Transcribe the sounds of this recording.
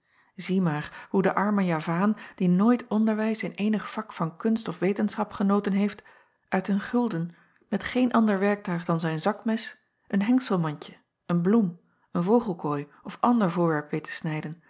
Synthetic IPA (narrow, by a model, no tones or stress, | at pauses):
zimaːrhudəʔɑɹməjaːvaːnd̥inoːjtʰɔndəɹʋɛjsɪnejnəχfɑkfɑnkɵnstɔfʋejtənsχɑpχənowtənɦejft | ʔœɥtɦənχɵlˠdən | mɛtχejnʔɑndəɹʋɛɹk̚tœɥχdɑnzɛjnzɑkmɛs | ʔənɦɛŋksəlˠmɑɲcə | ənblum | ənvowχəlˠkojɔfɑndəɹvʊːɹʋɛɹpʋejtʰə̥snɛjdən